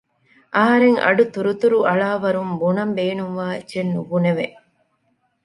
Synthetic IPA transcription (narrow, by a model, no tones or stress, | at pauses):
ʔɐɦɐɾeŋʔɐ̰ɖut̪uɾut̪uɾuʔɐɭaːʋɐɾumbunɐmbeːnuŋʋa̰ːd͡ʒenːubuneʋeʔ